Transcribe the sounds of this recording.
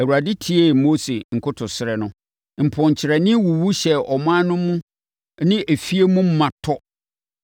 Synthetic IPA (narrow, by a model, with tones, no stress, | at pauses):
æ˨wu˨a˨dɪ˦tʰi˨˦e˦˨mo˦se˨ŋ̩˨kʰʊ˦tʰʊ˨sɪ˦ɾɛ˨nʊ̃˦ | m̩˨pʰʊ̃˨ɲ˨t͡ɕʰɪ˨ɾɛ˨nɪ̃˦wu˨wu˦ɕɛ˨ɔ˨m˦ã˦nʊ̃˦mũ˦ | nɪ̃˦ʔe˨fi˦e˦mũ˦m̩˦mã˨tʰɔ˦